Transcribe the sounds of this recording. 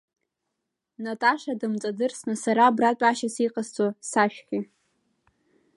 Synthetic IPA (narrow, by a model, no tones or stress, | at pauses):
natʼaʂadɨmt͡sʼadɨrsnɨsaɾaːbratʼaʃasiqʼast͡sʼosaʃᶣχʲɪ